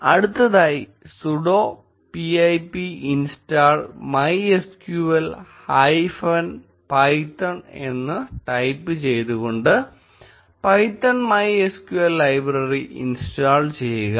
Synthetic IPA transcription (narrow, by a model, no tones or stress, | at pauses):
ɐɽut̪ːɐðaːjisuɽoː | piɐjpiinstaːɭmɐjeskjjuʋɐlhɐjfɐn | pɐjtːɐɳe̞̰nːɨʈɐjpːɨt͡ɕe̞jt̪uɣo̞ɳɖɨ | pɐjtːɐɳmɐjeskjuʋɐlːɐjbrɐriʔḭnstaːɭt͡ɕe̞jːuɣɐ